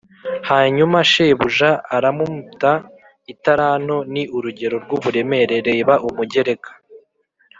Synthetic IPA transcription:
haːɲumaʃeβuʒaːɾamumuta | itaɾano̞niuɾuɟe̞ɾo̞ɾɡuβuɾe̞me̞ɾe̞ɾe̞βaʔumuɟe̞ɾe̞kḁ

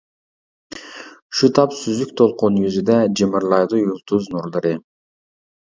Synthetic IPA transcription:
uʃut̪ʰɑpsyzyk̚t̪ʰolˠqunjyzyd̪æd͡ʒɯmɯɾlˠɑjd̪ujulˠt̪uznoɾlˠɯɾɯ

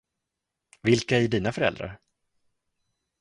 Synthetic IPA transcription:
vɪlkaæɖiːnafœɾɛ̰ld̪ɾa̰ɾ

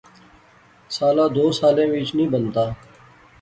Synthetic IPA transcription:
saːlaːd̪oːsaːlẽːʋiːt͡ʃnĩːbənt̪aː

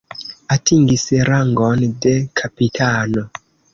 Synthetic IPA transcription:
atiŋɡisɾaŋɡondekʰapitʰaːno

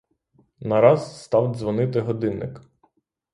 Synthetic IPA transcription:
nɐɾɑzst̪ɑwzʋɔnɪt̪ɪɦɔd̪ɪnːɪ̰k

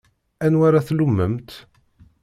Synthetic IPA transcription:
ænwaɾaθlumːəmt̪

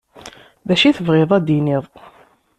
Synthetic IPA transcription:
ðæʃiθəvʁeðˤæd̪iniðˤ

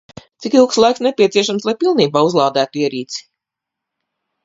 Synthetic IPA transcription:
t̪sikilˠkslˠajksnɛpʲiɛt̪siɛʃamslˠajpilˠniːbaːuzlˠaːd̪æːt̪uiɛɾiːt̪si̥

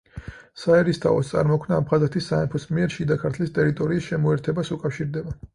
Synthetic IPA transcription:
saɛɾist̪ʰa̰ɔ̰st̪sʼa̰ɾmɔkʰmnaːpχazɛt̪ʰisːaɛmpʰɔsmiɛɾʃid̪akʰaɾt̪ʰlist̪ʼɛɾit̪ʼɔɾiːsʃɛmɔɛɾt̪ʰɛbasukʼafʃiɾd̪ɛba

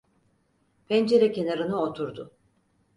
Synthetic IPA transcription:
pʰɛnd͡ʒe̞ɾɛcʰe̞naɾɯnɯot̪ʰuɾd̪ʊ

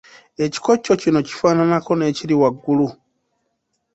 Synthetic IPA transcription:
e̞ci̥ko̞cːo̞cino̞ci̥faːnanako̞ne̞ːciliwaɡːulu

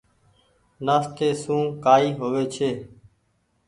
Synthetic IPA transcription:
naːst̪eːsũːkaːiːɦoːʋeːt͡ʃʰeː

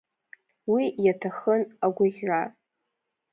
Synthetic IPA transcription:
wijatʰaχənaɡʷʊʒʲʕa

